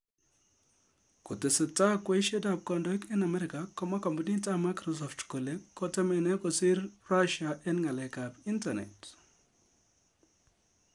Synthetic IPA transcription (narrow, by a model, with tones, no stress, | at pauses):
ku˨te˨sə˨ta˦kwe˦ʃe˦dab̚kɔ˨ndɔ˦kɛ˦na˨mɛ˦ɾɪ˨ka˨kɔ˦ma˦kɔ˨mbu˦ni˦ta˦ma˦jkɾɔs̬ɔ˨ftkɔ˨le˦kːɔ˦tɛ˦mɛ˨nɛ˦kɔ˨sɪ˦ɾra˦ʃaʔɛ˦nŋa˨lɛ˨ka˨bi˦nta˨nɛ̰˨t